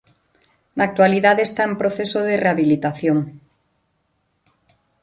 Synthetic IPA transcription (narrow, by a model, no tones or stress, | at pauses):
naːk̚t̪waliðaðest̪aempɾoθesoð̞ereaβilit̪aθjoŋ